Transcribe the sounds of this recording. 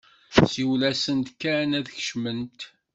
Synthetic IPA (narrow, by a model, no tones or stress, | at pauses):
siwlæsənt̪kːænæðəçə̥ʃmənt̪